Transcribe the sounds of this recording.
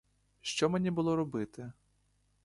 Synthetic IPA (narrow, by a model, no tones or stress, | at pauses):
ʃt͡ʃɔmenʲibʊlˠɔɾɔbɪt̪ɪ